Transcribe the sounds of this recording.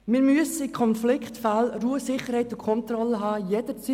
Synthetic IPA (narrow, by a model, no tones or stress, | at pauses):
mɪːɾmyəsəɪkʰɔnflɪkχtfalruːəsɪχəɾɦhɛɪtʊkʰɔnt̪ɾɔləɦɑːjɛd̥ət͡si